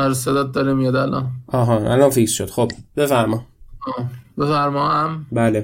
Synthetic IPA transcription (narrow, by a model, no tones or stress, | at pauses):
ɒɾesed̪aːt̪̚d̪ɒːɾimijɑd̪ælɒ̰ːnɒːɦɒʔælɒːnfiːksʃod̪xobb̥e̞fæɾmɒːɒːbefæɾmɒːæmbæːle